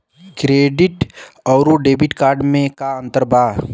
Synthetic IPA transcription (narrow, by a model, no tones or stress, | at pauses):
kɾeːɖɪʈɔːɾuɖeːbʱɪʈkaːɾɖmẽkaə̃nt̪əɾbʱaː